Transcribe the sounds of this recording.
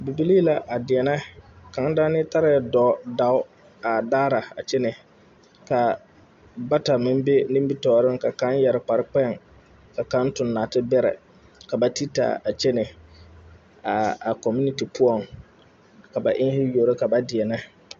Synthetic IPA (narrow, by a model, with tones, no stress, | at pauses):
bi˨bi˦li˦la˨ʔa˨dɪ˨ɛ˨nɛ˦ka˨˦ŋ˦da˦nɪ˦ta˦ɾɪ˨˦ɛ˦dɔː˨˦da˦ʊ˦ | a˨daː˦ɾa˨a̰˨t͡ʃɛ˦nɪ˨ | ka˨ | ba˦ta˨mɪ˦m˦be˦nɪ̃˦mbi˦tɔː˨ɾɪ˦ŋka˨ka˨˦njɛ˨ɾɪ˨k͡pa˨ɾɪ˦k͡pɛ˦ŋ | ka˨ka˦n˦tʊ˨nːaː˨tɪ˦bɛ˦ɾɛ̰˨ | ka˨ba˦ti˦ta̰˨a˨t͡ʃe˦nɪ˨ | a˨a˨kɔ˨mu˦ni˨ti˨pʰʊ˦ɔ˨ŋ | ka˨ba˨ʔɪ˦ŋhɪ˦jo˨ɾe˦ka˨ba˦dɪ˨ɛ˨nɛ˦